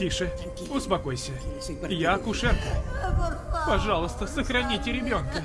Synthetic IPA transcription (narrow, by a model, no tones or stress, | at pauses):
tʲiʂɨ | ʊspɐko̞jsʲə | jakʊʂɛrkə | pɐʐɑlˠəst̪əsəxɾɐnʲitʲɪɾʲɪbʲo̞nkə